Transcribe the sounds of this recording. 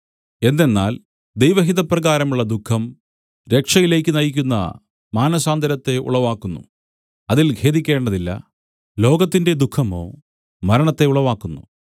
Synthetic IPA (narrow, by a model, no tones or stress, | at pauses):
e̞nd̪e̞nːa̰ːl | d̪ejʋɐɦiðɐprɐɣaːɾɐmuɭːɐd̪ukʰːɐm | ɾe̞kʂɐjile̞ːkʲːɨnɐjik̬ʲːunːɐ̰ | maːnɐsaːnd̪ʱɐɾɐt̪ːe̞ṵɭɐʋaːkːunːṵ | ɐðilɡʱe̞ːðikʲːe̞ːɳɖɐðilːɐ̰ | lo̞ːɡɐt̪ːinde̞d̪ukʰːɐmo̞̰ː | mɐɾɐɳɐt̪ːe̞uɭɐʋaːkːunːṵ